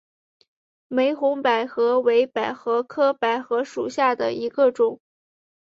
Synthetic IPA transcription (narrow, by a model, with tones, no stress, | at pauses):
me˧˥ɪxʊ˧˥ŋpa˨˩ɪxɤ˧˥we˧˥ɪpa˨˩ɪxɤ˧˥kʰɤ˥pa˨˩ɪxɤ˧˥ʂu˨˩ɕja˥˩d̪ə̰˩i˧˥ɡə˧ʈ͡ʂʊ˨˩˦ŋ